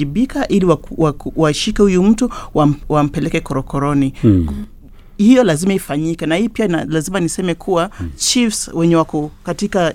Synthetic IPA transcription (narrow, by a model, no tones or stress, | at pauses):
iɓikaʔiliwawawaʃikɛhujum̩tuwawam̩pɛlɛkɛkɔɾɔkʰɔɾɔni | hijɔlazimaifaɲikɛnahiːpiaalazimanisɛmɛkʰuwat͡ʃifswɛɲɛwakɔkatika